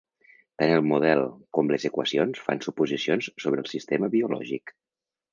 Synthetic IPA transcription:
t̪anəlˠmuð̞ɛlˠkɔmlezəkwəsionsfa̰nsupuzisionssoβ̞ɾəːlˠsist̪eməβiulɔ̰ʒik

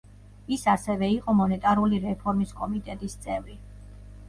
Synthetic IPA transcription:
isasɛvɛiqʼɔmɔnɛt̪ʼaɾuliɾɛpʰɔɾmiskʼɔmit̪ʼɛt̪ʼist̪sʼɛvɾi

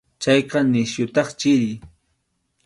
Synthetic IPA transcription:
t͡ʃɑjqɑnɪsjʊt̪ɑχt͡ʃɪɾɪj

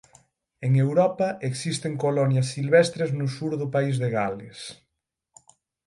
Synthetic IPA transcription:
eŋewɾɔpɐʔeksist̪eŋkolɔnjɐsːilβest̪ɾeznʊsuɾðʊpaizðeɣales

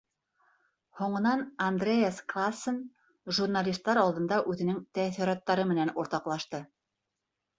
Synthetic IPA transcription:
huɴɤ̆nɑnɐnd̪rʲejesklˠasːən | ʒurnalʲist̪ːɑɾɑlˠd̪ɤ̆nd̪ɑʔʉðɘ̆nɘŋt̪æθĭɾɑt̪ːɑɾɤmɘ̆nænuɾt̪ɑqlˠɑʃt̪ɤ

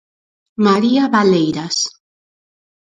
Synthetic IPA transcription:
maɾiaβalejɾas

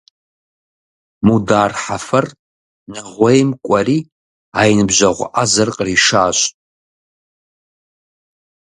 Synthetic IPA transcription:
mudaːrħafɐr | nɨʁʷejmkʷʼɐriː | aːjnɨbʒʷɐʁʷʊʔazɐrqʼəriʂaːɕʼ

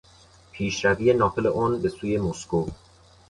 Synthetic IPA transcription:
pʰiːʃɾæviːe̞nɒːfeleʔɒnbe̞suːje̞mosko

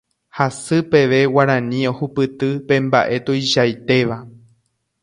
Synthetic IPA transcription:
hasɨpe̞ʋe̞waɾãnĩo̞hupɨt̪ɨpẽ̞mba̰ʔe̞t̪ojʃajt̪e̞ʋa

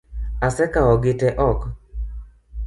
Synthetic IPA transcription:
asɛkaɔɡɪtɛʔɔk

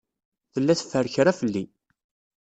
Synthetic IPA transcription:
θəlːæθə̥fːəɾçɾafəlːi

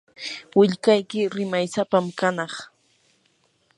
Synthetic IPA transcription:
wɪʎkajkɪɾɪmajsapamkanɑχ

